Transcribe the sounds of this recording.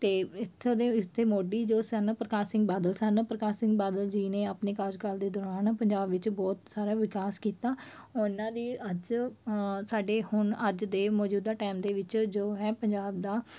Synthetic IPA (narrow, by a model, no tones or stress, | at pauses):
t̪eːɪt̪ʰːod̪eːɪt̪ʰːeːmoːɖiːd͡ʒoːsɛnəpɾəkaːsɪŋɡbaːd̪əlsɛnəpɾəkaːsɪ̃ŋɡ̚baːd̪əld͡ʒiːnẽːəpneːkaːd͡ʒkəld̪eːd̪ɔːɾaːnpəɲd͡ʒaːbʋɪt͡ʃbɔːt̪saːɾaːʋɪkaːskiːt̪aːɔɪnãːd̪iːəd͡ʒ | saːɖeːhʊɳəd͡ʒd̪eːmɔːd͡ʒuːd̪aːʈɛːmd̪eːʋɪt͡ʃd͡ʒoːɦɛːpəɲd͡ʒaːbd̪aː